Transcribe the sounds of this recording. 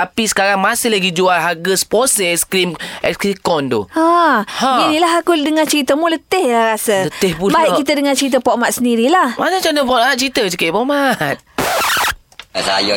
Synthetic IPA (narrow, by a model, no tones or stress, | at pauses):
apisə̥kaɾaŋmasɪhlaɡid͡ʒualɦaɡəsposɛskɾimʔɛ̰kskɾikɔnt̪ṵahainilaɦakudəŋant͡ʃəɾit̪əmulət̪ɪhaɾasələt̪ɪhbubaiʔkit̪ədəŋant͡ʃəɾit̪̬əpɔʔmaʔ̪̚səndiɾilahmat͡ʃat͡ʃant̪əpɔtmaʔ̚t͡ʃəɾit̪ət͡ʃəkəʔbɔʔmat̪̚ | saj